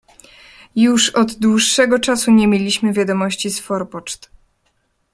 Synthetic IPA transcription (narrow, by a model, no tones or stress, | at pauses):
juʂɔd̪d̪wuʂːɛɡɔt͡ʂasuɲemʲjelʲiɕmɘvʲjad̪ɔmɔɕt͡ɕisfɔɾpɔt͡ʂt̪